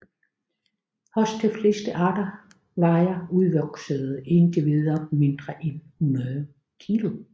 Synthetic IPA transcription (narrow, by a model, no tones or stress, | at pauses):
hɒ̽sd̥ʰefle̝sd̥əʔɑd̥ɐ | lɑɪɐuðˠʋɒɡ̥səðˠend̥iʋiðˠɐme̝nd̥ʁɐʔenhunɐðˠ | kʰilo̝